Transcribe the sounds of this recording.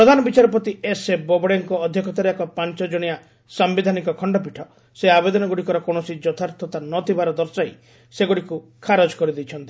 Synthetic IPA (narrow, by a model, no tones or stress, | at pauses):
ppɾɔd̪ʱanɔbit͡ʃaɾɔpɔt̪iesebɔbɔɽjaŋkɔːd̪ʱjɔkɔt̪aɾeekɔpant͡ʃɔd͡ʒɔɽ̃ija | sambid̪ʱanikɔkʰɔɳɖɔp̬iʈʰɔ | seabed̪ɔnɔɡuɽikɔɾɔkoɳ̃ɔsid͡ʒɔt̪ʰaɾt̪ʰɔt̪anɔt̪ʰibaɾɔd̪ɔɾsaj | seɡuɽikukʰaɾɔd͡ʒkɔɾid̪ijt͡ʃʰɔnt̪i